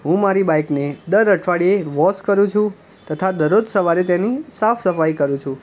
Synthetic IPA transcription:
ɦũmaɾibajkned̪əɾəʈʰʋaɽieʋɔskəɾũt͡ʃʰũ | t̪ət̪ʰad̪əɾod͡ʒsəʋaɾet̪ɛ̃nisafʰsəfajikəɾũt͡ʃʰũ

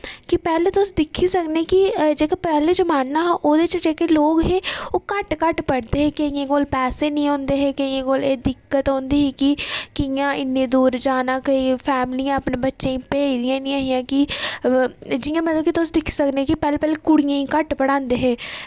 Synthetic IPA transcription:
kipɛːleːt̪ʊsd̪ɪkʰːiːsəkneːkɪd͡ʒeːkeːpɛːleːd͡ʒəmaːnːaːʔoːd̪eːt͡ʃd͡ʒeːkeːloːɡɦeːoːkəʈkəʈpəɽd̪eːɦɛːkejẽːkoːlpɛːseːnĩːɦõːnd̪eːɦɛːkeijãːkoːleːd̪ɪkːət̪ɦõːnd̪iːɦɛːkɪkɪjãːɪnːẽːd̪uːɾd͡ʒaːnãːkəiːpʰɛːmlijãːəpnẽːbətːʃẽːĩːpeːid̪ijãːnĩːãːɦijãːkɪ | d͡ʒɪjãːmət̪ləbkit̪ʊsd̪ɪkʰːi̥ːsəknekipɛːleːpɛːleːkʊɽijãːĩːkəʈpəɽãːnd̪eːɦɛː

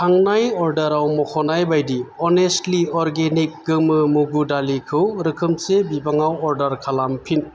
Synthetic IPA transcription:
tʰaŋnajɔɾdɐɾawmɔkʰɔnajbajdiɔnestliɔɾɡenik̚ɡɯmɯmuɡudalikʰɯwɾɯkʰɯmsebibaŋawɔɾdɐɾkʰalampʰin

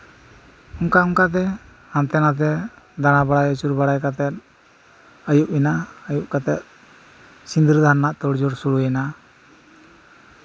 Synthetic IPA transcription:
uŋkauŋkat̪̬ɛ | hant̪ɛnat̪̬ɛd̪anabaɽajɔt͡ʃuɾbaɽajkat̪ɛt̪̚ | əjuʔinaəjuʔkat̪ɛt̪̚ | sind̪ɾd̪ʱanːaʔt̪ɔɽd͡ʒɔɽsuɽujɛna

